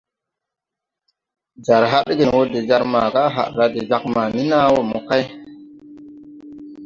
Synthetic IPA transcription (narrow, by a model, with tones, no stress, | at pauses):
d͡ʒa˨ɾɦa˦ɗɡe˨nwo˦de˨d͡ʒa˦ɾma˨ka˦ɦa̰˨ɗɾa˦de˨d͡ʒa˦k̚ma˨ni˦na˦wo˨mo˨ka˦j